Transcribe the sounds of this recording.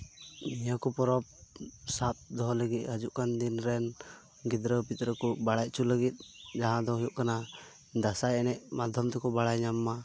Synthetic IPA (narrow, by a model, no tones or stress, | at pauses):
mijakɔpɔɾɔb̚sap̪̚d̪ɔɦɔləɡit̪̚ɦəd͡ʒuʔkand̪inɾɛn | ɡid̪ɾəpit̪ɾəkubaɽaj̚ˀt͡ʃʰuləɡit̪̚ˀd͡ʒaɦãd̪ɔɦujuʔkana | d̪asajɛnɛʔmad̪ʱjɔmt̪ɛkɔbaɽajɲamːa